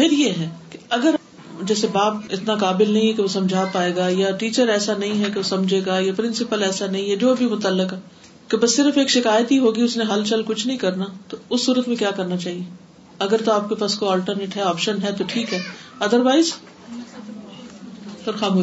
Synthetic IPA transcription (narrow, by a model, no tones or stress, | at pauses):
pɪɾjeɦɛ̃ːke̥ɐɡəɾ | d͡ʒɛːsebaːp̚ɪt̪nakaːbɪlnɐɦĩɦɛkeʋosɐ̃md͡ʒʱaːpaːeːɡaːjaʈiːt͡ʃəɾɛːsanɐɦĩɦɛkeʋosɐ̃md͡ʒʱeːɡaːjapɾɪ̃nsɪpəlɛːsanɐɦĩɦɛd͡ʒoːbʱimʊt̪əlːɪkɛ | kebɐsːɪɾfeːkʃɪkaːjət̪ɦiɦoːɡiʊsnẽɦɐlt͡ʃɐlkʊt͡ʃʰnɐɦĩkɐɾnat̪oʊsːuːɾət̪mẽkjaːkɐɾnat͡ʃaːɦie | ɐɡəɾt̪oaːp̚kepaːskoaːlʈəɾneːʈɦɛɔːpʃənɦɛt̪oʈʰiːkɦɛː | ɐd̪əɾʋaːɪz | pɐɾxaːmuː